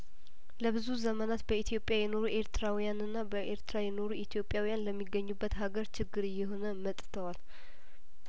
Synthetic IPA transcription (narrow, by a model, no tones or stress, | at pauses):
ləbɨzuzəmənat̪bəit̪ʰjo̞pʼːjajɛno̞ɾuʔe̞ɾt̪ʰɨɾawijanɨnːabəʔe̞ɾt̪ɾajɛno̞ɾuʔit̪ʰjo̞pʼjawijanləmːiɡːəɲːubːət̪ɦaɡəɾt͡ʃʰɪɡːɨɾɨjːɛɦo̞nəmət̪ʼt̪ʰəwal